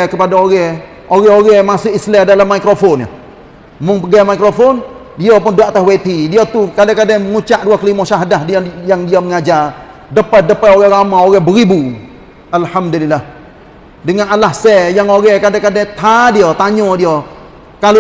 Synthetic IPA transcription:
kəpadaoɾɛ | oɾɛɦoɾɛmasʊʔislɛhdalamːaikɾofɔnja̰ | mʊŋpəɡamaikɾofɔn | diopʊnduaʔt̪aɦwet̪idiat̪ukadaŋkadaməŋut͡ʃaʔduakəlimɔʃaɦadaɦdjaŋdiaməŋad͡ʒar | dəpət̪̚dəpaoɣɛɾamaoɣɛhbəɾibu | alhamdulilːah | dəŋanalahsɛjaŋoɾɛhkadakadat̪ʰadiot̪aɲɔdio | kal

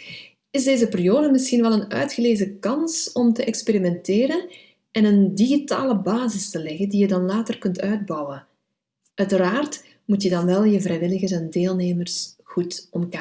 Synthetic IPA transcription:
ɪzdeːzəpɪrijoːdəmɪsxinʋɛlˠənœ̰ɥtxəleːzəkɑnsɔmtəʔɛkspeɾimɛnteːɾən | ɛnəndiɣita̰ːləbaːzɪstəlɛɣəndijədɑnlaːtərkɵntœɥd̚bɑwə | ʔœɥtəɾaːrt | mutjədɑnʋɛlˠjəvrɛjʋɪləɣərzɛndeːlˠneːmərsɣutɔmka

